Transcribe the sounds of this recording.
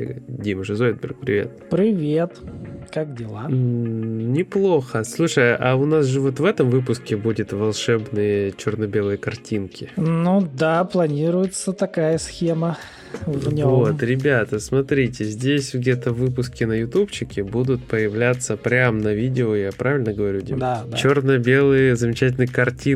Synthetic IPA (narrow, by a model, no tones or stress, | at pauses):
ɡdʲimʐɨzoɪd̪̚bʲɪ̰rk̚pɾʲɪ̰vʲe̞̰t̪pɾʲɪvʲet̪kak̚dʲɪlˠa | nʲɪplˠo̞xəslˠuʂəjaʊnasʐɨvo̞t̪vɛt̪əmvɨp̬ʊskʲɪbudʲɪt̪vɐlˠʂɛbnɨjət͡ɕɪrnɐbʲe̞lˠɨjəkɐrtʲinkʲɪnud̪aplˠɐnʲiɾʊjɪt̪sət̪ɐkajəsxʲemə | vnʲvot̪ɾʲɪbʲat̪əsmɐt̪ɾʲitʲɪzʲdʲesʲɡdʲe̞t̪əvɨpʊskʲɪnəjʊt̪upt͡ɕɪkʲɪbud̪ʊt̪̚pəjɪvlʲat̪sːəpɾʲamnɐvʲidʲɪojapɾʔavʲɪlʲnəɡəvɐɾʲudʲimat͡ɕornəbʲe̞lˠɨjəzəmʲɪt͡ɕætʲɪlʲnɨjkɐrtʲi